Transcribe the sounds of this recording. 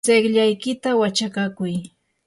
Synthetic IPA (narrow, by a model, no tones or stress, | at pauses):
eχʎajkɪt̪awat͡ʃakakʊj